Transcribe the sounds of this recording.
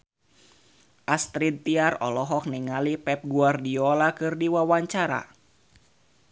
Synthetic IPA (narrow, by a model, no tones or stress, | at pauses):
ʔast̪ɾid̪̚t̪iarɔ̰lɔɦɔk̚niŋalipɛp̚ɡuardiɔlakɨrdiwawaɲt͡ʃaɾa̰